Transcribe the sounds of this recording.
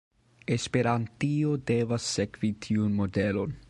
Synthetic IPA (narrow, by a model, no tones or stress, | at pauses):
espe̞ɾantiodevasːekvitʰiunmo̞delo̞n